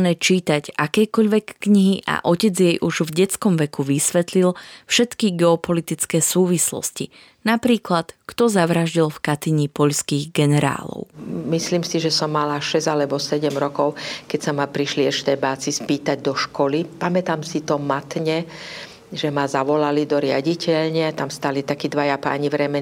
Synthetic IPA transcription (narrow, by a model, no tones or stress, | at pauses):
nɛːt͡ʃiːt̪aɟakɛːkɔʎʋɛkːɲiɦiʔa̰ʔɔcɛd͡zjɛjʔuʒvɟɛt͡skɔmʋɛkuʋisʋɛt̪lilfʃɛt̪kiɡɛɔpɔlit̪it͡skɛːsuːʋislɔ̰sci | napɾiːklat̪kt̪ɔzaʋɾaʒɟilfkat̪iɲipɔʎskiːɣɡɛnɛɾa̰ːlɔ̰ʊmisliːmsiʒɛsɔmːalaʃɛzalɛbɔsɛɟɛmɾɔkɔʊkɛcsamapɾiʃliɛʃt̪ɛbaːt͡sispiːt̪aɟd̪ɔʃkɔlipamɛt̪amsit̪ɔmat̪ɲɛ | ʒɛmazaʋɔlalid̪ɔɾɪa̰ɟicɛʎɲɪat̪amst̪alit̪akid̪ʋajapa̰ːɲiʋɾɛmɛ